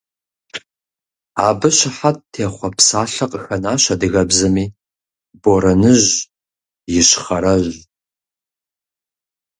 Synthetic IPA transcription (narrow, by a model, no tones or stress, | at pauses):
aːbɨɕɪħat̚tʰeːχʷɔpsaːɬɐqʼəxɐnaːɕɐdɨɣɐbzɐmiː | boɾɐnɨʑ | jɪɕχɐɾɐʑ